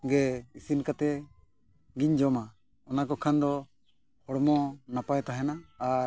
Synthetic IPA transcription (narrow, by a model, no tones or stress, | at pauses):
ɡɛisinkat̪ɛ | ɡiɲd͡ʒɔma | ɔnakɔkʰand̪ɔ | hɔɽmɔnapajt̪aɦɛnaː